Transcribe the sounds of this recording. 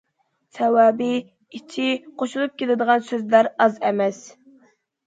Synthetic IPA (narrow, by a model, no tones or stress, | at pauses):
sɛwɑːbɪ | it͡ʃʰiqʰoʃulˠup̚kʲʰelɪd̪əʁɑnsøzlæɾɑzɛmɛs